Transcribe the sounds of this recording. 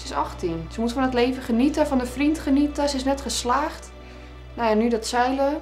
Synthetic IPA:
sɪsɔxtʰinsəmutfɔnətleːvəχənitəfɔndəfrintχənitəsəɪsnɛtχəslaːxt | najanydɔtsɛjlə

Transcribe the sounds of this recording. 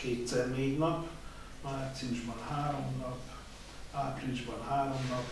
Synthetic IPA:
keːt̪sɛrneːɟnɒp | maːt̪siuʒbɒnhaːɾo̞mnɒp | aːpriʒbɒnhaːɾo̞mnɒp

